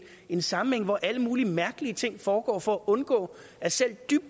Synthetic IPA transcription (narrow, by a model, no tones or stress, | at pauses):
e̝nsɑ̈m̩eŋ̰ʋɒʔæləmuːlimæɐɡ̥əliət͡sʰe̝ŋ̰fɒːɡ̥ɒ̰ːfɒ̽æʔɔ̽nɡ̥ɔ̰̽ː | æɐsel̰d̥yb̥̚